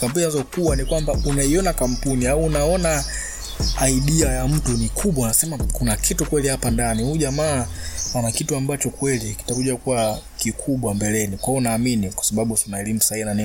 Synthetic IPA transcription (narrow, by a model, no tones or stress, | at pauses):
kampuninazɔkuwanikwambaunaiɔnakam̩puniauːnaɔnaː | iɗiajam̩tunikʰuɓwaunasɛmakunakʰitukwɛlihapandaniuʄamaːwanakituambat͡ʃɔkwɛliki̥takuʄakuwakikʰuɓwambɛlɛnikwaɔunaːminikwḁsaɓaɓusunaɛlimusainani